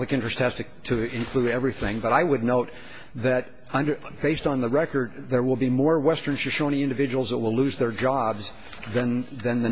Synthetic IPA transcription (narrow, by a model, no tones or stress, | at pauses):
lɨkɪ̃nt͡ʃɹ̥ɨst̚hæz̥tɨ | tʰɨɪ̃nkʰl̥uɾɛvɹiθɪ̃ŋbʌɾaɪwɨdⁿnoʊt | ðɨɾ | ʌ̃nd | b̥eɪstn̩ðəɹɛkə˞d̪̚ðə˞wɪlˠbimɔɹwɛstə̃˞nʃɨʃõʊñiɪ̃ndɨvɪd͡ʒəwl̩ˠzðəʔ̚wɪlʉzðə˞d͡ʒɑbz | ðɨ̃nðɨ̃nðɨ